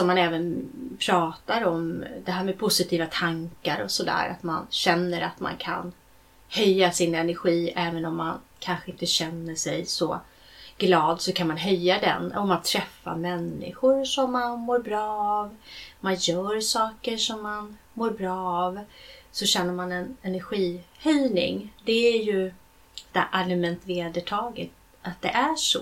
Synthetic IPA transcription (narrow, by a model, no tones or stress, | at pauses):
sɔmːanɛːvənpʰɾɑːt̪aɾɔmd̪ɛɦæːɾmɛpʰʊsɪt̪ʰiːvat̪ʰaŋkaɾɔ̰sɔd̪æ̰ːɾa̰t̪ma̰nɕɛnːəɾa̰t̪ma̰nkʰa̰n | hœjːasɪnɛnæɾɧiːɛːvənɔmːankʰanɧəɪnt̪əɕɛnːəʂɛjsɔ | ɡ̥lɑːd̪sɔkʰanmanɦœjːad̪ɛ̰nɔmant̪ʰɾɛfːa̰mɛnːɪ̰ɧʊɾʂɔmːanmoːɾbɾɑːɑvmanjœːɾʂɑːkəʂɔmːan | moːɾbɾɑːvsɔɕɛnːəɾmanɛnɛnæɾɧiːhœjnɪ̰ŋd̪ɛæɾjɵ | d̪æɾʔalmɛnt̪veːd̪əʈʰɑːɡət̪ | at̪̚d̪ɛʔæʂɔ̰